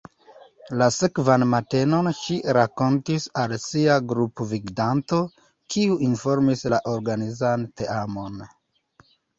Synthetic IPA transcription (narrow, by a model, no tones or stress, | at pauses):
lasekvanmate̞no̞nʃiɾako̞ntisalsiaɡɾupoviɡdanto̞ | kʰiuʔinfo̞ɾmislaʔoɾɡanizanteamo̞n